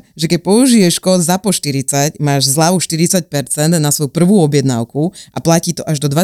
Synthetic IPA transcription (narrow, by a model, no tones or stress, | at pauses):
ʒɛkɛcpɔuʒijɛʃkɔd̪zapɔʃt̪iɾit͡sacmaːʒzlaʋuʃt̪iɾit͡sac̚pɛɾt͡sɛnd̪nasʋɔjupr̩ʋuːɔbjɛd̪na̰ʊkuaplaciːt̪ɔʔaʒd̪ɔd̪ʋa